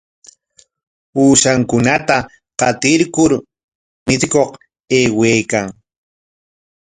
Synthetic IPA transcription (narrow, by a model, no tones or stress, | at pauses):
uːʃaŋkʊnat̪a | qɑt̪ɪɾkʊɾ | mɪt͡skoq | eːweːkaŋ